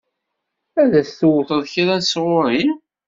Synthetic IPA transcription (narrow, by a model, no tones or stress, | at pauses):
æðæsθuwθəðˤçiɾˤænsʁʊɾˤi